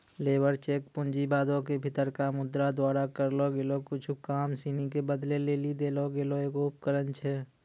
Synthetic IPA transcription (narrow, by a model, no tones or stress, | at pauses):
leːbəɾt͡ʃeːkpʊnd͡ʒibaːd̪õkebʱɪt̪əɾkamʊd̪ɾad̪waːɾakəɾloɡelokʊt͡ʃʰukaːmsiːnikebəd̪leleːlid̪eːloɡeːloeːkoːp̚kəɾənt͡ʃʰɛ